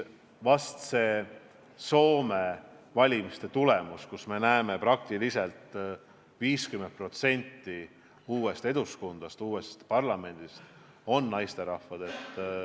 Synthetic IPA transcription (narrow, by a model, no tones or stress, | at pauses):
vɑst̪se̞ː | so̞ːme̞vɑlʲimist̪e̞t̪ulemuskusme̞næeme̞pɾɑk̚t̪ilise̞lt̪ˑ | viːskyment̪̚pro̞t̪se̞nʲt̪ːi | uːe̞st̪e̞d̪̥uskund̪̥ɑst̪uːest̪pɑrlɑme̞nʲd̪̥ist̪ | o̞nːɑjst̪e̞ɾɑhvɑd̪̥e̞t̪ːˑ